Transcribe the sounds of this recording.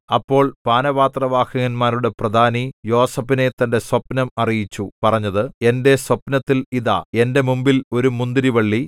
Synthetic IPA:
ɐpːo̞ːɭpaːnɐʋaːt̪rɐʋaːkɐŋɐnmaːɾuɽe̞prɐd̪ʱaːnijo̞ːsɐpːine̞t̪ːɐnde̞swɐpnɐmɐrijit͡ɕːupɐrɐɲːɐðɨe̞nde̞swɐpnɐt̪ːiliða̰e̞nde̞mumbilo̞ɾumund̪iɾiʋɐɭːi

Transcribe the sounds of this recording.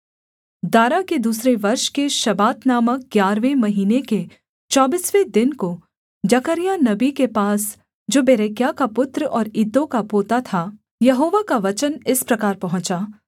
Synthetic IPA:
d̪aːɾaked̪uːsɾeʋɐɾʃkeʃɐbaːt̪naːmək̚ɡjaːɾʋemɐɦiːneke | t͡ʃɔːbiːsʋed̪ɪnko | d͡ʒɐkəɾijanɐbikepaːs | d͡ʒoːbeːɾeːkjakapʊt̪ɾɔːɾɪd̪ːõkapoːt̪at̪ʰa | jɐɦoːʋakaʋɐt͡ʃənɪspɾɐkaːɾpɐɦʊ̃t͡ʃaː

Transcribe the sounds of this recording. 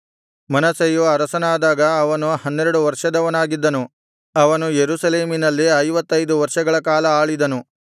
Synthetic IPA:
mɐnɐsɐjuɐɾɐsɐnaːd̪aːɡɐːʋɐnuhɐnːeɾɐɽuʋɐɾʂɐd̪ɐʋɐnaːɡid̪ːɐnu | ɐʋɐnujeɾusɐleːminɐlːiɐjʋɐt̪ːɐjd̪uʋɐɾʂɐɡɐɭɐkaːlɐaːɭid̪ɐnu

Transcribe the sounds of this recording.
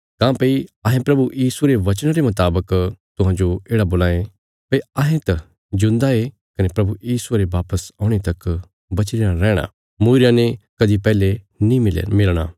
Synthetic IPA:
kãːpɐiɐɦẽpɾɐbujiːsuɾeʋɐt͡ʃəɽ̃ɾemɐt̪aːbəkt̪ʊɦãd͡ʒoeːɽaboːlaːe | pɐiɐɦẽt̪ɐ | d͡ʒʊ̃nd̪ae | kɐnepɾɐbujiːsueɾeʋaːpəsɔ̃ːɽ̃et̪ɐk | bɐt͡ʃɾɪjaɾɛːɽ̃a̰ | muːɪɾjãnẽkɐd̪ipɛːle | nĩmɪlɽ̃a̰

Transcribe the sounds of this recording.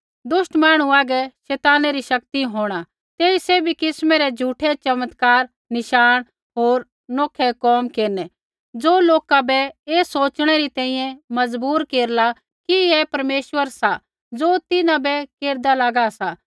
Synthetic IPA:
d̪ʊʃʈmaːɽ̃ũaːɡɛʃɛːt̪aːnɛɾiʃɐkt̪iɦoːɽ̃a | t̪eːisɛbʱikɪsmɛɾɛd͡ʒʱuːʈʰɛt͡ʃɐmət̪kaːɾ | nɪʃaːɽ̃ | ɦoːɾ | noːkʰɛkɔːmkeːɾnɛ | d͡zoːloːkabɛeːsoːt͡ʃɽ̃ɛɾit̪ɛ̃ːĩjɛ̃mɐd͡zbuːɾkeːɾla | kiɛpɐɾmeːʃwəɾsa | d͡zoːt̪ɪnãbɛkeːɾd̪alaːɡasa

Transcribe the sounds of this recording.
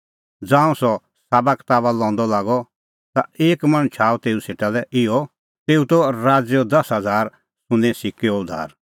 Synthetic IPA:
d͡zãːũsɔ | saːbakt̪aːβalɔ̃ːnd̪ɔlaːɡɔ | t̪aeːkmɐ̃nt͡ʃʰaːt̪eːuseːʈalɛʔɪɔ | t̪eːut̪ɔɾaːd͡zjɔd̪ɐsɦɐd͡zaːɾ | sʊ̃nɛ̃sɪkeɔd̪ʱa̰ːɾ

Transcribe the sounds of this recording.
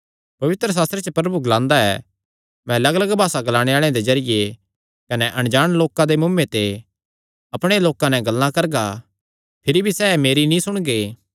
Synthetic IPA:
pɐʋɪt̪ɾəs̬aːst̪ɾet͡ʃəpɾɐbuɡɐlãːnd̪aɛ̰ː | mɛ̃lɐɡlɐɡbʱaːsaɡɐlaːɽ̃eaːɭ̃ẽd̪ezɐɾɪje | kɐnɛʔɐɽ̃d͡ʒaːɽ̃loːkãd̪emʊmːet̪e | ɐpɽ̃eloːkãnɛ̃ɡɐlnãkɐɾɡa | pʰɪɾibʱisɛːmeːɾinĩsʊɽ̃ɡeː

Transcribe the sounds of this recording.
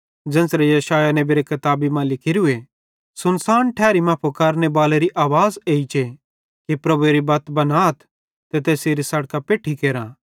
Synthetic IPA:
d͡ʒɐ̃nsɾejɐʃaːjanebiɾekɐt̪aːbimãlɪkʰiɾue | sʊnsaːnʈʰɛːɾimaːpʰukaɾnebaːleɾiʔaːʋaːzeːit͡ʃe | kipɾɐbueɾibɐt̪bɐnaːt̪ʰ | t̪et̪eːseɾisɐɽkapeːʈʰikeːɾã

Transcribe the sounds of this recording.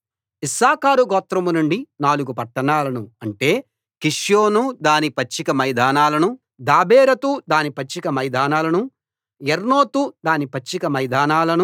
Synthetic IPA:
isaːkaːɾuɡoːt̪ɾɐmunuɳɖinaːluɡupɐʈːɐɳaːlɐnuɐɳʈe̞ː | kiʂjoːnud̪aːnipɐt͡ʃːikɐmɐjd̪aːnaːlɐnu | d̪aːbeːɾɐt̪ud̪aːnipɐt͡ʃːikɐmɐjd̪aːnaːlɐnu | jeɾno̞ːt̪ud̪aːnipɐt͡ʃːikɐmɐjd̪aːnaːlɐnu

